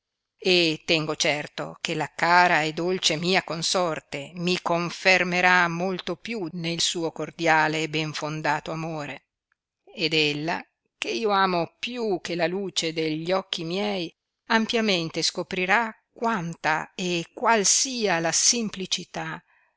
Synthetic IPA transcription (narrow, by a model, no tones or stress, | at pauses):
et̪ːɛŋɡot͡ʃɛrt̪o̰kelakaːɾaed̪ːolt͡ʃemiːakonsɔrt̪emikoɱfermeɾamːolt̪opjunelsuːokord̪jaːlebɛɱfond̪aːt̪oamoːɾe | ed̪elːa̰ | keiːoaːmopjuk̟ːelaluːt͡ʃed̪eʎːɔk̟ːimjɛj | ampjament̪eskopɾiɾakwant̪aekːwalsiːalasemplit͡ʃit̪a